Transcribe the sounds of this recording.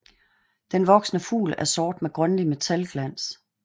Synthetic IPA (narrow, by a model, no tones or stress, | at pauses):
d̥enʋɒ̽ɡ̥snəfṵːlæɐsɒːd̥meɡ̥ʁœnlime̝t͡sʰælɡ̥læn̰s